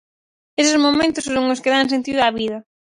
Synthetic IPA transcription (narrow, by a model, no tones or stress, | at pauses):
esɪzmomẽnt̪ʊssoŋʊskɪðaŋs̬ẽnt̪iðʊaβiðɐ